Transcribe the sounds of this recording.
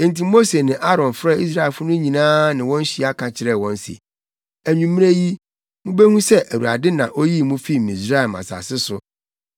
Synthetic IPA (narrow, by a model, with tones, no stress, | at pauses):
ẽ˨nti˨mo˦se˨nɪ̃˨ʔa˦ɾɔ̃˨nfɾa˦i˦s̬ɾa˦˨ɛ˨lfʊ˦nʊ̃˦ɲĩ˨nãː˦nɪ̃˨wɔ̃˦n̩˦ɕi˦a˦kʰã˨t͡ɕʰɪ˨ɾɛ˨wɔ̃˦n̩˦sḛ˨ | æ˨ɲũ˨m̃˦e˦ji˦ | mʊ̃˦be˦hũ˦sɛ˦ʔæ˨wṵ˨a̰˨dɪ˦nã˨ʔo˦ji˦mũ˦fi˦˨mĩ˨sɾa˦ɛ˨ma̰˨sa̰˨sɪ˦sʊ˨